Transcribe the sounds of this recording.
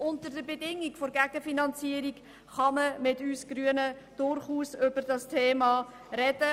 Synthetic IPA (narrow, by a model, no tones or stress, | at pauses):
ʊntəɾdəbedɪŋːikfoɾɡæɡ̥əfinɑnt͡siəɾik | χɑməmɪtyːsɡ̥ɾyənə | d̥ʊɾχuːsʏbədɑstʰeːmɑː | ɾɛd̥ə